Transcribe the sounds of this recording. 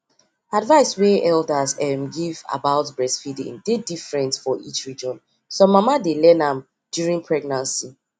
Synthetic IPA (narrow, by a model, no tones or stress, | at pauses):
advaɪsweʔɛldazɛmɡiva̰baʊtbɹɛsfidḭ̃mdedifɹɛ̃ntfɔʔḭt͡ʃɹid͡ʒɔ̃n | somamadelɛnãm | d̥juɹĩŋpʰɹɛɡnãnsi